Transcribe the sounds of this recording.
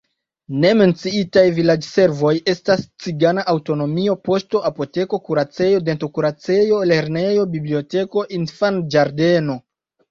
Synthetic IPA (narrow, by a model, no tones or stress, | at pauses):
ne̞me̞nt͡siitajvilad͡ʒse̞ɾvo̞je̞stast͡siɡanaʔawto̞no̞mio̞po̞sto̞ʔapo̞te̞ko̞kuɾat͡se̞jo̞de̞nto̞kuɾat͡se̞jo̞le̞ɾne̞jo̞biblio̞te̞ko̞ʔinfand͡ʒaɾde̞no̞